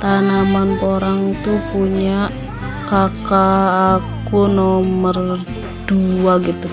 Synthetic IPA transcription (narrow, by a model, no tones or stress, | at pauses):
t̪anamanpoɾaŋt̪upuɲaʔ | kakaːkunɔmər | d̥uaɡit̪u